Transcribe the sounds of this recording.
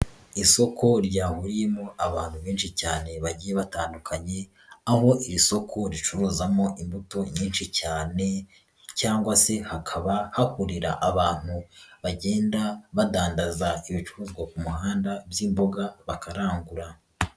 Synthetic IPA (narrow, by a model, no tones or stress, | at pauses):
iso̞kʰo̞ɾɟaːhuɾije̞mo̞ʔaβaːn̥huβiːnʃicaːne̞βaɟiːje̞βataːndukʰaɲe̞ | aho̞ʔiɾiso̞kʰo̞ɾit͡ʃuɾuːzamo̞ʔimbuto̞ɲiːnʃicaːne̞ | caːŋɡwase̞hakʰaβahakuɾiɾa̰ʔaβaːn̥huβaɟe̞ːndaβadaːndazaiβit͡ʃuɾuːzɡwakumuhaːndabjimbo̞ɡaβakaɾaːŋɡuɾa